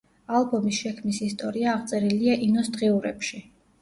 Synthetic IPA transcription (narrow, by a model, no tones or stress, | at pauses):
alˠbɔmisʃɛkʰmnisist̪ʼɔɾiaːʁt̪sʼɛɾiliaʔinɔsd̪ʁiuɾɛpʃi